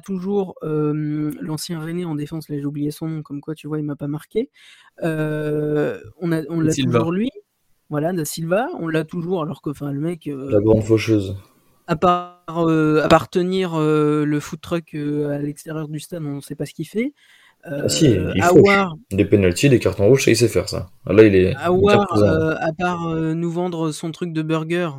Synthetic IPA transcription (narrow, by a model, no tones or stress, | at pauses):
at̪uʒuʁømlɑ̃sjɛ̃ʁeneɑ̃d̪efɑ̃slaʒeublijesɔ̃nɔ̃kɔmkwat̪yvwailmapamaʁkʲe | ø | ɔ̃naɔ̃ləaiuuuʁlɥi | vwalad̪asilvaɔ̰̃lːat̪uʒuʁalɔʁkəɑ̃fɛ̃ləmɛkølaɡʁɑ̃d̪foʃøz | apaʁøapaʁt̪əniʁøləfut̪ːχœkʰøalɛkst̪eʁjœʁd̪yst̪ad̪ɔ̃sɛpasə̥kʲifɛ | øsiiavowaʁd̪epenalt̪id̪ekaʁt̪ɔ̃ʁuʒsakis̬ɛfɛ̰ʁsa̰a̰lailɛavwwaʁzøapaʁønuvɑ̃d̪ʁəsɔ̃t̪χyk̚d̪əbœʁɡʲœʁ